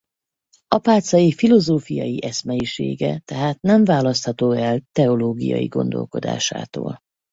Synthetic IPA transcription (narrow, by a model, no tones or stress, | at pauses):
ɒpaːt̪sɒjifilo̞zoːfijɒjiʔɛsmɛjiʃeːɡɛt̪ɛɦaːt̪̚nɛɱvaːlɒst̪hɒt̪oːɛlt̪ɛoloːɡijɒ̰jiɡo̞nd̪o̞̰lko̞d̪a̰ːʃa̰ːt̪o̰ːl